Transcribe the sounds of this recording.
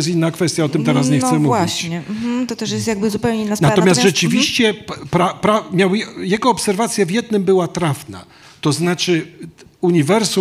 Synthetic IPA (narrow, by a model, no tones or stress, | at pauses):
ɛs̬inːakfɛst̪jaɔt̪ɘmt̪ɛɾas̬ɲɛxt̪sɛmuwviɕt͡ɕɲɛm̩t̪ɔt̪ɛʂjɛst̪jaɡ̚bɘzupɛwɲeinːasnat̪ɔmʲjast̪ʐɛt͡ʂɘvʲiɕt͡ɕɛpɾapɾamʲjawjjɛɡɔːpsɛɾvat̪sʲjavjɛd̪̚nɘmbɘwat̪ɾafna̰ | t̪ɔznat͡ʂɘuɲivɛɾsu